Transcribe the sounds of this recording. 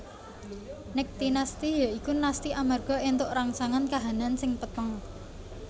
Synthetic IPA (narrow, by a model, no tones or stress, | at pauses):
nɪk̚t̪inast̪ijɔʔikunast̪iʔamarɡ̥ɔ̤ent̪ʊʔɾaŋsaŋankaɦanansɪŋpət̪əŋ